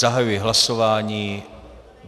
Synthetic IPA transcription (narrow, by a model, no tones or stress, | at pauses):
aɦajujɛɦlasovaːɲiː